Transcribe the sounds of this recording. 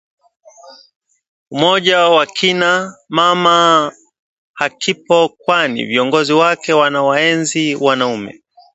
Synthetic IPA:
umɔʄawakʰinamama | hakipɔkwanḭviɔŋɡɔziwakɛwanawaɛnziwanaumɛ̰

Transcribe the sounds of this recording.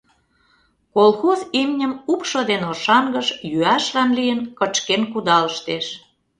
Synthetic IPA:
kolˠxozimnʲəmupʃod̪enoʃɑŋɡəʃjyæʃlɑnlijənkət͡ɕkenkud̪ɑləʃt̪eʃ

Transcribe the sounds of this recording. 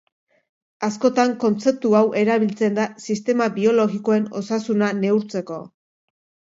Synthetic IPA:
asko̞t̪aŋko̞nt͡se̞p̚t̪uawʔe̞ɾaβ̞ilt͡se̞nd̪asist̪e̞maβio̞lo̞ɣiko̞e̞no̞̰sasunane̞uɾt͡se̞ko̞̰

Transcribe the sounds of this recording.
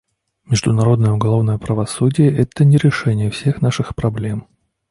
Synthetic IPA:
mʲɪʐd̪ʊnɐɾo̞d̪nəjəʊɡɐlˠo̞vnəjəpɾəvɐsudʲɪjəʔɛt̪ənʲɪɾʲɪʂɛnʲɪjəfsʲe̞xnaʂɨxpɾɐblʲe̞m

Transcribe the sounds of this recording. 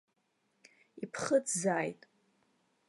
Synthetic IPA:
ipʰχət͡szaːjtʼ

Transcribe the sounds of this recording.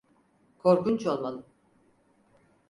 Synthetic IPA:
kʰo̞ɾkunt͡ʃo̞lˠmalˠɯm

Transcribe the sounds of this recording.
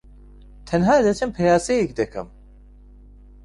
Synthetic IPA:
t̪ʰɐnɦaːd̪ɐt͡ʃʰɐmpʰɛjaːsɛjekd̪ɐkʰɐ̰m

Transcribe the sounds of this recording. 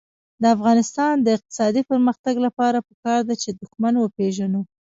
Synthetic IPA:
d̪əafɣɑnɪst̪ɑnd̪əɪq̚t̪ɪ̥sɑd̪ipəɾməxt̪aɡlapɑɾapəkɑɾd̪at͡ʃed̪ʊxmanwəpeʒanu

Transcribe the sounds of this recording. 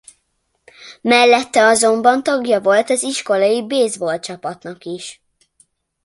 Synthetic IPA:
mɛlːɛt̪ːɛɒzo̞mbɒnt̪ɒɡjɒvo̞lt̪ɒziʃko̞lɒjibeːzbolt͡ʃɒpɒt̪nɒkiʃ

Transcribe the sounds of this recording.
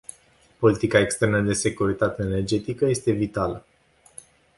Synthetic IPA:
po̞lit̪ikaekst̪e̞rnəd̪e̞se̞kuɾit̪at̪e̞ːne̞rd͡ʒe̞t̪ikəje̞st̪e̞vit̪alə

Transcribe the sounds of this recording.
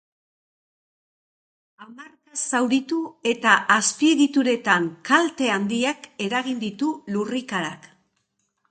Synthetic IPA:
amarkasawɾit̪ue̞t̪aʔːspiðit̪uɾe̞t̪aŋkalt̪e̞and̪iake̞ɾaɣind̪it̪ulurikaɾak

